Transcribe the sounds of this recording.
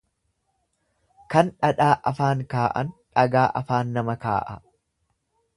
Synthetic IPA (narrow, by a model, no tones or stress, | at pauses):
kɐnᶑɐᶑaːʔɐfaːŋkaːʔɐ̰nᶑɐɡaːʔɐ̰faːnːɐmɐka̰ːʔɐ